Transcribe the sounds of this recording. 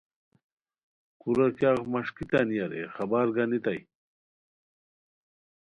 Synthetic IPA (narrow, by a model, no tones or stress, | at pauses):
kuɾɐkjaɣmɐʂkit̪anjaɾḛχɐbaɾɡanit̪aj